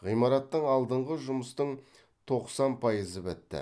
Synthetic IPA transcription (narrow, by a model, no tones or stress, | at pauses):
ʁijmɑɾɑt̪ːəɴɑlˠd̪əɴʁəʒʊməst̪əɴ | t̪ʰo̞qsɑnpʰɑjəzəbɪt̪ːɪ̰